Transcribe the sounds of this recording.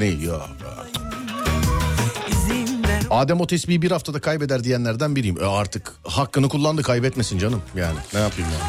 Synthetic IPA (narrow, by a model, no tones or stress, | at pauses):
nija | ja̰ | izind̪ɛaːd̪æmo̞t̪ʰɛsbiːibiɾhaft̪ʰad̪akʰajbɛd̪æɾd̪ijænlʲæɾd̪ænbiɾijimʔɛaɾt̪ʰɯkhakːɯnɯkʰulˠːand̪ɯkʰajbɛt̪mesind͡ʒanɯmjaːnɪnɛjapʰɯjumja